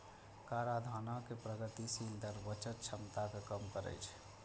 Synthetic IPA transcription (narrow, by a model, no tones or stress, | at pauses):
kaɾad̪ʱanakepɾəɡət̪isild̪əɾbət͡ʃət̪̚t͡ʃʰəmt̪akekəmkəɾə̰jt͡ʃʰ